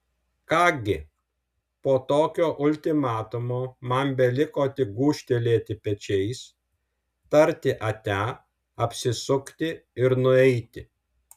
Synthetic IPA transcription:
kɑːɡʲɪ | poːt̪oːkʲoːʔʊlʲt̪ʲɪmɑːt̪ʊmoːmɐmbʲɛlʲɪkoːt̪ʲɪɡuːʃʲt̪ʲelʲeːt̪ʲɪpʲɛt͡ʃʲɛɪs | t̪ɐɾʲt̪ʲɪʔɐt̪ʲæː | ɐpʲsʲɪsʊkt̪ʲɪɪɾnʊɛɪt̪ʲɪ

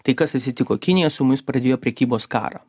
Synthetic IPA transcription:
t̪ɐɪkɐsɐsʲɪt̪ʲɪkoːkʲɪnʲɪjɛsʊmʊɪspɾɐd̪ʲeːjoːpʲɾʲɛkʲiːboːskɑ̰ːɾɐ̰

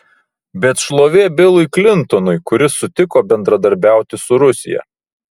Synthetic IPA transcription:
bʲɛt̪ʃlˠoːʋʲeːbʲɪlˠʊɪklʲɪnˑt̪ɔnʊɪkʊɾʲɪsʊt̪ʲɪkoːbʲɛnd̪ɾɐd̪ɐɾʲbʲæˑʊt̪ʲɪsʊɾʊsʲɪ̰jɛ̰

